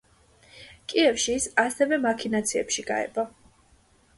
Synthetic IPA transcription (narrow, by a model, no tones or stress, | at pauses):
kʼiɛfʃiːsasɛvɛmakʰinat̪sʰiɛ̰pʃiɡa̰ɛ̰ba